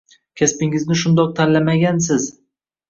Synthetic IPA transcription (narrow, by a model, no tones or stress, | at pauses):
kʲʰaspɪŋɪznɪʃʊnd̪ɒq̚t̪ʰanlamaɡʲans̬ɪz